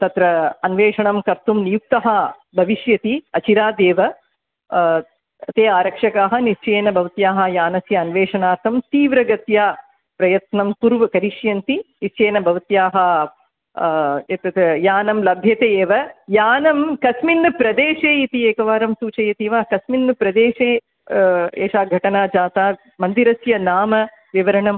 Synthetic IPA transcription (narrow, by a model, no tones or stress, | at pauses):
t̪ɐt̪ɾɐɐnʋeːʂɐɳɐmkɐɾt̪umnijuk̚t̪ɐɦɐ | bʱɐʋiʃjɐt̪iɐt͡ʃiɾaːd̪eːʋɐ | t̪eːaːɾɐkʂɐkaːɦɐ̆nit͡ʃeːnɐbʱɐʋɐt̪jaːɦɐjaːnɐsjɐɐnʋeːʂɐɳaːɾt̪ʰɐmt̪iːʋɾɐɡɐt̪jaː | pɾɐjɐt̪nɐmpuɾʋɐkɐɾiʂjɐnt̪inist͡ʃeːnɐbʱɐʋɐt̪jaːɦɐ | ɐt̪ɐt̪jaːnɐmlɐbʱjɐt̪eeːʋɐjaːnɐmkɐsminːɨpɾɐd̪eːʂeːit̪ieːkɐʋaːɾɐmsuːt͡ʃɐjɐt̪iʋaːkɐsminːɨpɾɐd̪eːʂeː | ḛːʂaːɡʱɐʈɐnaːd͡ʒaːt̪aː | mɐnd̪iɾɐsjɐnaːmɐ | ʋiʋɐɾɐɳɐm